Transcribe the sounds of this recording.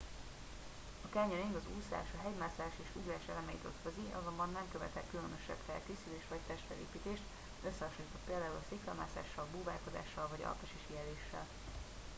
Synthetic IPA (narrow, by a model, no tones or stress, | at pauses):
ɒkɛɲøɾiŋɡɒzuːsa̰ːʃɒɦɛɟmaːsaːʃeːʃuɡraːʃɛ̰lɛmɛit̪ø̰t̪føziʔɒ̰zo̞mbɒnːɛmkøvɛ̰t̪ɛkːylønøʃɛ̰bfɛ̰lkeːsyleːʃt̪vɒc̚t̪ɛʃt̪fɛ̰lḛːpiːt̪eːʃt̪ | øsːɛɦɒʃoɲit̪ɒt̪peːld̪aːulɒsikːɛmaːsa̰ːʃːɒlbuːva̰ːlko̞d̪a̰ːʃːɒlvɒɟɒ̰lp̪oʃiʃiɛleːʃːɛ̰l